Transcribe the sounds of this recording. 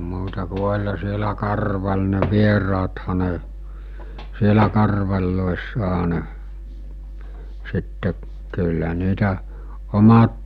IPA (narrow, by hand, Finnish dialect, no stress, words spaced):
muːtɑ ku olʲhɑ sielæ kɑrʋɑl ne ʋierɑːthɑ ne sielæ kɑrʋɑlʲloesːɑɦɑ ne sitːe kylːæ niːtæ omɑt